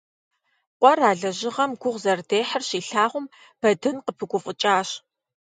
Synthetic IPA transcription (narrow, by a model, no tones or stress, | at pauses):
qʷʼɔraːɮɐʒɪʁɐmɡʷʊʁʷzɐrdeːħɐrɕiːɬaːʁʷʊm | b̥ɐdɨnqəpʰɨɡʷʊfʼʊt͡ʃʼaːɕ